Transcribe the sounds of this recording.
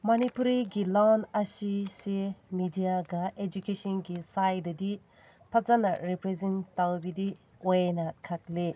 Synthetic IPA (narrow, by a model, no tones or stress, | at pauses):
mɐnipuɾiɡilawnɐsisemidijaɡaʔed͡ʒukesɔnɡisajdɐdi | pʰɐzɐnɐɾipɾezentawbidi | ɔjnakʰak̚le